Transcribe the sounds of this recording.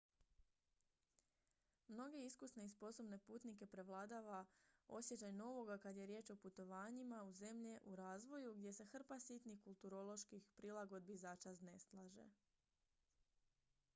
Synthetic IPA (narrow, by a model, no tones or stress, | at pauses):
mno̞ɡe̞iskusne̞ispo̞so̞bne̞puːt̪nike̞pɾe̞ʋlˠaːd̪aːʋao̞sje̞t͡ʃajno̞ʋo̞ɡakad̪je̞ɾjeːt͡ʃo̞put̪o̞ʋaːɲimauze̞mʎeʔuɾaːzʋo̞juɡd̪ʲje̞sexr̩pasit̪nixkulˠt̪uɾo̞lˠo̞ʃkixpɾilˠaɡo̞d̪̚bizaːt͡ʃazne̞slˠaːʒe̞̰